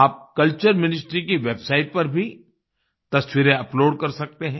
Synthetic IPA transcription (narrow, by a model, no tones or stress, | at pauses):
aːp̚kɐlt͡ʃəɾmɪnɪsʈɾikiʋeːbsaːɪʈ̚pɐɾbʱi | t̪ɐsʋiɾeɐploːɖkɐɾsɐk̚t̪eɦɛ̃ː